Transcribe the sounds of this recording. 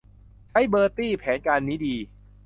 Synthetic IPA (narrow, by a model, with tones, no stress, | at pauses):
t͡ɕʰa˦˥jbɤː˧t̪iː˥˩pʰɛː˩˦nkaː˧nːiː˦˥diː˧